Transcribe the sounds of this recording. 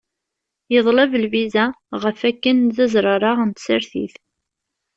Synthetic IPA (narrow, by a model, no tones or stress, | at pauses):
jəðˤləvəlvizæʁəfækːənðæzɾˤɑɾˤɑʁənt̪səɾθḭθ